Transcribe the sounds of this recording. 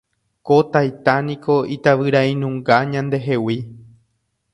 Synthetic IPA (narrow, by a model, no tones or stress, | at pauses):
kot̪ajt̪anĩkʰo̞it̪aʋɨɾaĩnũŋɡaɲãnd̪e̞ɦe̞wi